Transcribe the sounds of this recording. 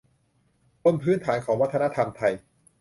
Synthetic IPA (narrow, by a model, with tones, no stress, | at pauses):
t̪o˧˥˨npʰɯː˦˥nt̪ʰaː˩˦nkʰɔː˩˦ŋwa˥t̪ʰːna˦˥t̪ʰa˧mt̪ʰa˧j